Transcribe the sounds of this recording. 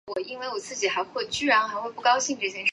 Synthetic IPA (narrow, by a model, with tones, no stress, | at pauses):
wɔ˨˩i˥nwe˥˩ɪwɔ˨˩t͡sɹ̩˥˩t͡ɕi˨˩xa˧˥ɪxwe˥˧ɪt͡ɕy˥ɻa˧˥nxa˧ɪxwe˥˧ɪpu˥˩kɑ˥ʊɕi˥˧ŋʈ͡ʂ̩˥˧˩jɛ˥˧n